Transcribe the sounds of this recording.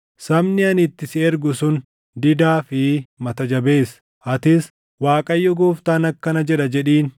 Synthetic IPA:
sɐmnɪɐnɪt̪ːɪsɪɛɾɡʊsʊn | d̪ɪd̪aːfɪmɐt̪ɐd͡ʒɐbe̞ːs | ʔɐt̪ɪs | waːkʼɐjːɔɡoːft̪aːnɐkːɐnɐd͡ʒɛᶑɐd͡ʒɛᶑiːn

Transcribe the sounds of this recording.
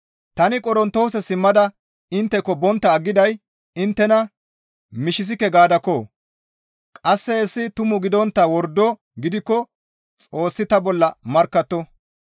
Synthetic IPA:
t̪ɐnɪkʼɔɾɔnt̪o̞ːsɛsɪmːɐd̪ɐ | ɪnt̪ːɛkːɔbɔnt̪ːɐːɡːɪd̪ɐj | ɪnt̪ːɛnɐ | mɪʃɪs̬ɪkːɛɡaːd̪ɐkːoː | kʼɐsːɛːsːɪt̪ʊmʊɡɪd̪ɔnt̪ːɐwɔɾd̪ɔ | ɡɪd̪ɪkːɔ | t͡sʼo̞ːsːɪt̪ɐbɔlːɐmɐɾkːɐt̪ːɔ

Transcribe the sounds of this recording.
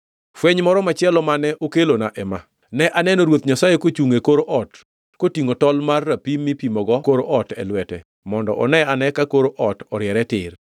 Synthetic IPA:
fwɛɲmɔɾɔmat͡ʃɪɛlɔmanɛʔokelonaʔɛma | nɛʔanɛnoɾwot̪ɲasajekot͡ʃuŋekoɾoʔɔt | kotiŋotɔlmarːapimːipimɔɡɔkoɾoʔɔtɛ̰lwɛtɛ̰ | mɔndɔ̰ʔɔnɛanɛkakoɾoʔɔtɔɾɪɛɾɛtɪr

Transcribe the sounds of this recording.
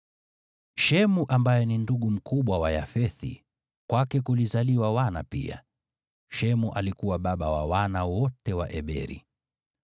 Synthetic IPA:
ʃɛmuʔambajɛninduɠum̩kuɓwawajafɛθḭ | kwakɛkulizaliwawana̰pḭa̰ | ʃɛmuʔalikuwaɓaɓawa̰wanawɔtɛwa̰ʔɛɓɛ̰ɾḭ

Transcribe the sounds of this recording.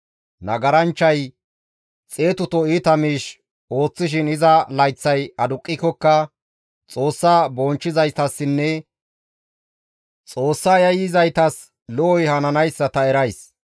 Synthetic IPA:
nɐ̰ɡɐɾɐnt͡ʃːɐj | t͡sʼe̞ːt̪ʊt̪ɔiːt̪ɐmiːʃ | o̞ːt͡sːɪʃ̬ɪnɪzɐlɐjt͡sːɐjɐd̪ʊkʼːɪkːɔkːɐ | t͡sʼo̞ːsːaːbɔnt͡ʃːɪzɐjt̪ɐsːɪnːɛ | t͡sʼo̞ːsːaːjɐjɪzɐjt̪ɐs | lɔːjhɐnɐnɐjsːɐt̪ɐɛɾɐjs

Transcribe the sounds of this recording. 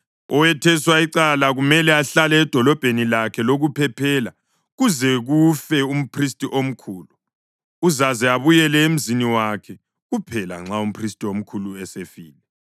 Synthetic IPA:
ɔwɛtʰɛswaiǀalaɣumɛlɛaɬalɛːd̥ʱɔlɔb̥ʱenilakʰɛloɣupʰɛpʰɛːla | ɣuzɛɣufɛum̩pʰristʼiʔom̩kʰuːluː | zazɛaβujɛlɛem̩ziniwakʰɛ | ɣupʰɛla̰ŋ͡ǁaum̩pʰristʼiom̩kʰuluɛsefiːlɛ

